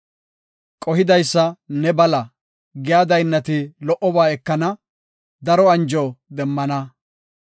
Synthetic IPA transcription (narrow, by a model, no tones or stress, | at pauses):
kʼɔhɪd̪ɐjsːɐnɛbɐlɐ | ɡɪjaːd̪ɐjnːɐt̪ɪlɔʔɔbaːɛkːɐnɐ | d̪ɐɾɔɐnd͡ʒoːd̪ɛmːɐnɐ